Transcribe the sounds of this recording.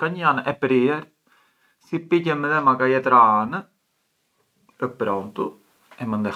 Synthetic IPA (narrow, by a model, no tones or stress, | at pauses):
kaɲanɛpɾiɛɾ | sipicɛmɛðɛmakajɛt̪ɾaanə | əpɾɔnt̪u | ɛmənd̪ɛ